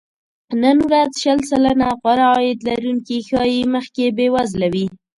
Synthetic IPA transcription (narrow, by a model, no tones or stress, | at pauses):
nənwɾazʃəlsalanaɣwaɾaːjɪd̪laɾuŋkixɑjiməxkebewazlawi